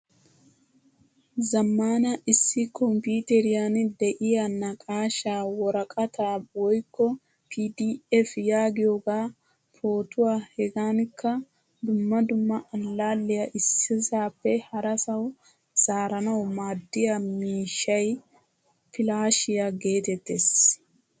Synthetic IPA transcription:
zɐmːaːnɐʔɪsːɪkɔmpuːt̪ɛɾɪjand̪ɛʔɪjanːɐkʼaːʃaːwɔɾɐkʼɐt̪aːwɔjkːɔ | pʰiːd̪iɛfjaːɡɪjoːɡaː | pʰoːt̪ʊwaːhɛɡaːnkːɐ | d̪ʊmːɐd̪ʊmːɐʔɐlːaːlːɪjɐʔɪsːɪzaːpːɛhɐɾɐsɐw | z̥aːɾɐnɐwmaːd̪ːɪjamiːʃːɐj | pɪlaːʃɪjaɡe̞ːt̪ɛt̪ːes

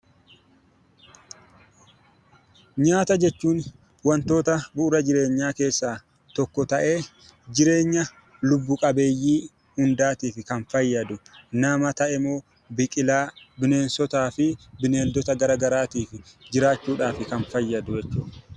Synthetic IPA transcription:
ɲaːt̪ɐd͡ʒɛt͡ʃːuːn | wɐnt̪o̞ːt̪ɐbʊʔːɾɐd͡ʒɪɾe̞ːɲːaːke̞ːsːaː | t̪ɔkːɔt̪ɐʔe̞ː | d͡ʒɪɾe̞ːɲːɐ | lʊbːʊkʼɐbe̞ːjːiː | hʊnd̪aːt̪iːfɪkɐnfɐjːɐd̪ʊnɐmɐt̪ɐʔɛmo̞ː | bɪkʼɪlaːbɪne̞ːnsɔt̪aːfɪbɪne̞ːld̪ɔt̪ɐɡɐɾaɡɐɾaːt̪iːfɪd͡ʒɪɾaːt͡ʃːuːᶑaːfɪkɐnfɐjːɐd̪ʊd͡ʒɛt͡ʃːuː

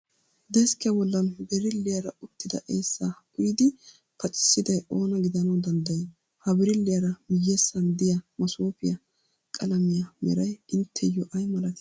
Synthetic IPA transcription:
d̪ɛskɪjɐbɔlːɐnbɛɾɪlːɪjɐɾɐʊt̪ːɪd̪ɐʔeːsːa | ʊjɪd̪ɪ | pʰɐt͡ʃʼːɪ̥sːɪd̪ɐjo̞ːnɐɡɪd̪ɐnɐwd̪ɐnd̪ɐje | hɐbɪɾɪlːɪjɐɾɐmɪjːesːɐnd̪ɪjɐmɐsoːpɪjɐ | kʼɐlɐmɪjɐmɛ̰ɾɐjɪnt̪ʰːɛjɔʔɐjmɐlɐt̪

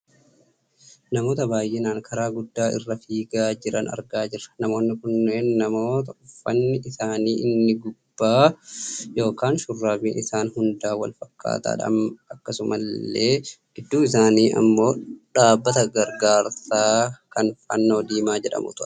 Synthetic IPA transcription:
nɐmo̞ːt̪ɐbaːjʔeːnaːŋkʰɐɾaːɡʊd̪ːaːʔɪ̰rːɐfiːɡaːd͡ʒɪɾɐnɐ̰ɾɡaːd͡ʒɪrːɐ̥nɐmo̞ːnːɪkʊnːeːnnɐmo̞ːt̪ɐʊfːɐnːɪʔɪsaːniːʔɪnːɪɡʊb̥ːaː | jo̞ːkaːnʃʊrːaːbiːnɪsaːnhʊnd̪aːwɐlfɐkːa̰ːt̪a̰ːᶑɐ̰mɐkːɐsʊmɐlːe̥ː | ɪd̪ːuːɪs̬aːniːʔɐ̰mːo̞ːᶑaːbːɐt̪ɐɡɐɾɡaːɾsaːkɐnfɐ̰nːoːd̪iːmaːd͡ʒɛᶑɐ̰mʊ̰t̪ʊɾɛ̥

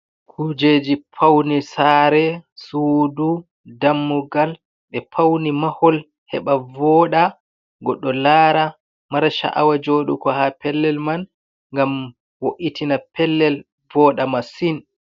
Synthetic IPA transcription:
kʰud͡ʒed͡ʒipʰawnisaɾɛsuːdu | damːuɡal | ɓɛpʰawnimahɔl | hɛ̰ɓavɔːɗa | ɡɔɗːɔlaːɾa | maɾʃa̰ʔa̰wad͡ʒoːɗṵkɔhapɛlːɛlman | ŋɡam | woʔitinapɛlːɛl | vɔːɗamasin

